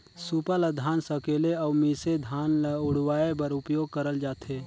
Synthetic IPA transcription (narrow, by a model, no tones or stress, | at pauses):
suːpaləd̪ʱaːnsəkeːleɔːmised̪ʱaːnlʊɽ̤waːebəɾʊpjoːɡ̚kəɾəld͡ʒaːt̪ʰeː